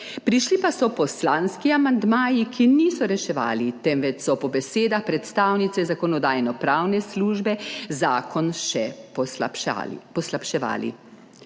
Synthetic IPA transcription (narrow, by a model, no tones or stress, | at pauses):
pɾiʃlipasɔpɔslaːnskiamand̪maːjikʰiniːsɔɾɛʃɛʋa̰ːlit̪ɛmʋɛt͡ʃsɔpɔbɛseːd̪axpɾɛt̪st̪aːwnit̪sɛzakɔnɔd̪aːjnɔpɾaːwnɛsluːʒbɛzaːkʰɔnʃɛ̰ | pɔslapʃɛʋa̰ːlḭ